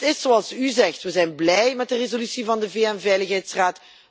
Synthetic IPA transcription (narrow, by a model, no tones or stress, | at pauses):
tɪsːoɑlˠsyzɛxtʋəzɛjnblɛjmɛt̚dərezolysivɑndəveɛnvɛjləxɦɛjtsraːt